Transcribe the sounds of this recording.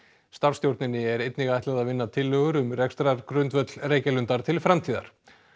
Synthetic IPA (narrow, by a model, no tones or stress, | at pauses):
st̪av̥st̪jowɾt̪nɪnːɪɛɾejt̪niɣaajht̪aðaðvɪnːat̪ʰɪlːœːɣʏɾʏmrɛkst̪ɾaɾ̥kɾʏnt̪vœt̪lreːjcalʏnt̪aɾ̥t̪ʰɪlfɾamt̪ʰiːða̰ɾ̥